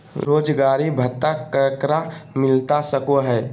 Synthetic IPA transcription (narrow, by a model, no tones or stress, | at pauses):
ɾoːd͡ʒɡaːɾibʱət̪ːakəkɾamɪlt̪asəkoɦɛː